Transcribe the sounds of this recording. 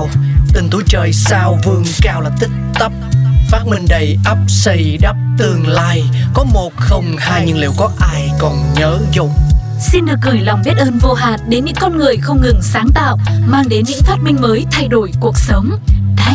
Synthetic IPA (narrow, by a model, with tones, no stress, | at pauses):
wt̪ï˨˩ŋ̟t̪ʰu˨˦t͡ɕəː˨˩jsaː˧wvɨ˧əŋkaː˧wlaː˨˩t̪i˦˥k̚t̪ə˦˥p̚faː˦˥t̚mï˧ŋ̟ɗə˨˩jʔə˦˥p̚sə˧˩jɗə˦˥p̚t̪ɨ˨˧˩əŋlaː˧jkɔ˨˦mo˨˩t̚xə˧wŋ͡mhaː˧jɲɨ̰˧ŋle˨˧˩wkɔ˨˦ʔaː˧jkɔ˨˩nɲəː˨˦zu˧ŋ͡m | si˧nɗɨ˨˩ək̚ːɨ˧˩jla˨˩wŋ͡mɓi˦˥t̚ʔəː˧nvo˧ɦaː˨nɗe˨˦nɲɨ̰˧˥ŋkɔ˧nŋɨ˨˩əjxə˧wŋ͡mŋɨ˨˩ŋsaː˨˦ŋt̪a̰ː˧˨wmaː˧ŋɗe˨˦nɲɨ̰˧˥ŋfaː˦˥t̚mï˧ŋ̟məː˨˦jt̪ʰa˧jɗo˧˩jku˨˩ək̚sə˨˦wŋ͡mʰ